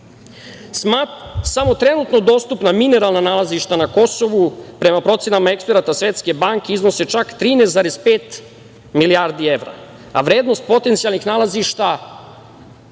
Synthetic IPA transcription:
samo̞t̪ɾe̞nut̪no̞d̪o̞ːst̪upnamine̞ɾalˠnanaːlˠaziʃt̪anako̞so̞ʋupɾe̞mapɾo̞t̪sjenamaekspeɾat̪asʋe̞t̪ske̞baŋkeiznose̞t͡ʃakt̪ɾiːneszaɾespeːt̪ | miliaɾd̪ie̞ʋɾa̰ | aʋɾe̞ːd̪no̞st̪̚po̞t̪e̞nt̪sijalˠnixnaːlaziʃt̪a

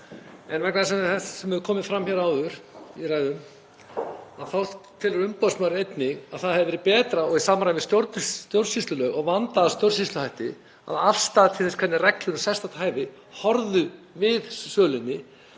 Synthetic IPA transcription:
ɛnvɛk̚naðsɛθɛ̥sɛmɛðʏkʰɔːmɪfɾamçɛɾawʏɾ̥irajðʏm | aðθaw̪t̪ʰːɪlɾʏmpasmœɾejt̪nɪɣaðθaðhɛvɾɪpɛːt̪ɾaɔɣisaːmaɾajmɪst̪jowɾt̪ʏt̪jowr̥sist̪lʏlœːɣɔɣvant̪aðast̪jowr̥sist̪lʏhajht̪ɪ | a̰ðafst̪aːðat̪ʰɪlθɛskʰvɛt̪nɪrɛklʏnʏsɛst̪at̪ʰaːjvɪ | hɔɾðʏ | vɪðsœːlʏnːɪ

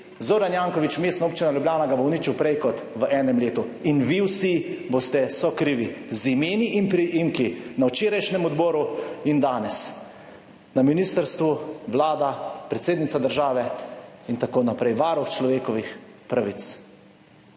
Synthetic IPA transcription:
zoːɾanjaŋkɔʋit͡ʃmeːst̪naoːpt͡ʃinalʲjublʲjaːnaɡabowniːt͡ʃiwpɾɛjkɔt̪ʋəʔɛːnɛmleːt̪uinʋiwsibost̪ɛsɔkɾiːʋizimeːniʔinpɾiʔimkinawt͡ʃeːɾajʃnɛmɔd̪bɔːɾuind̪aːnɛs | naminiːst̪əɾst̪ʋuʋlaːd̪apɾɛt̪seːd̪nit̪sad̪əɾʒaːʋɛint̪akoːnapɾɛjʋaːɾɔxt͡ʃlɔʋeːkɔʋixpɾaʋit̪s

